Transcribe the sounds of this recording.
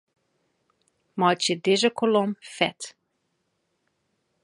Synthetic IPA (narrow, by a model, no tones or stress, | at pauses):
mɔjtjədɪzəkʰolɔmfɛt